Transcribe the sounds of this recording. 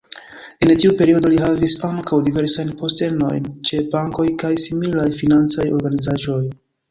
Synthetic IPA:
e̞ntiupe̞ɾio̞do̞liɦavisaŋkawdive̞ɾsajnpo̞ste̞no̞̰jnt͡ʃe̞baŋko̞jkajsimilajfinant͡sajo̞ɾɡanizaʒo̞j

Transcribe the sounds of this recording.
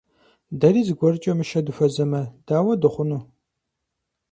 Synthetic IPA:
dɐɾiːzɨɡʷɔrt͡ʃʼɐmɨʃɐdufɐzɐmɐd̥aːwɐdɨχʷʊnuː

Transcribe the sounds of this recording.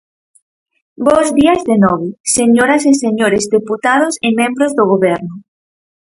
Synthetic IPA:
bozðiɐzðenɔβeseɲoɾɐseseɲoɾezðeput̪að̞osemẽmbɾozðoɣ̞oβɛɾnʊ

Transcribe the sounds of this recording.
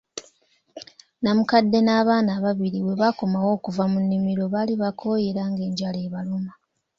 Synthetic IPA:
namukadːe̞naːβaːnaːβaβiɾiwe̞βakomawo̞ːkuvamunːimiɾo̞βaliβakʰo̞ːje̞ɾaŋɡe̞ːɲɟaleːβaluma

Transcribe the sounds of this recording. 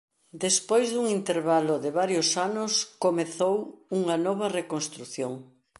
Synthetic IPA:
d̪espojzðuŋint̪eɾβaloðɪβaɾjosanʊskomeθowuŋɐnɔβɐrekonst̪ɾuθjoŋ

